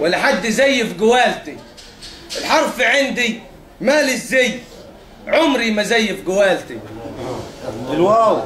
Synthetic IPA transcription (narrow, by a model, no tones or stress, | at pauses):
walːaħad̪ːɪzajːɪfɡʊwaːlt̪i | ɪlħɑɾˤfʕɪnd̪i | maːlɪzːej | ʕʊmɾimazajːɪfɡʊwaːlt̪i | lwaw